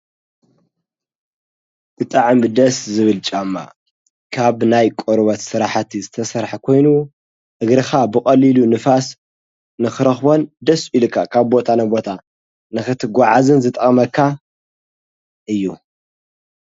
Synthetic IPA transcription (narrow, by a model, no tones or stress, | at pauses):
bɨt̪ʼaʕmd̪ɐszɨβɨlt͡ʃʼamːa̰ | kʰaβnajkʼoɾβɐt̪sɨɾaħt̪ʰizɨt̪ʰɐsɐɾħakʰo̞jnu | ʔɨɡɾɨxabɨkʼɐlilunɨfas | nɨxɨɾɐxbo̞nd̪ɐsilɨkʰːakʰaβbo̞t̪ʰanɐbo̞t̪ʰa | nɨxɨt̪ʰɨɡʷaʕazɨnzɨt̪ʼɐχʼmɐkʰːa | ʔɨjːu